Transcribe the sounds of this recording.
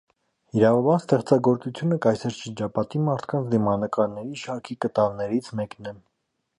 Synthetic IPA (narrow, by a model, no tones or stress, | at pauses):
iɾɑvɑbɑnst̪ɛχt͡sɑɡɔɾt͡sut͡sʰjunəkɑjsɛɾʃəɾd͡ʒɑpɑt̪imɑɾt̪ʰkɑnt͡sʰd̪imɑnəkɑɾnɛɾiʃɑɾkʰikət̪ɑlnɛɾit͡sʰmɛknɛ